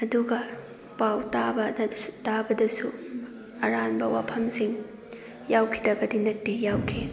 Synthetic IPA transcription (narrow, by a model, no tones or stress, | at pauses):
ɐduɡɐ | pawtabɐdtabɐdɐsu | ɐɾanbɐwa̰pʰɐmsiŋ | jawkʰidɐɡɐdinɐtːijawkʰi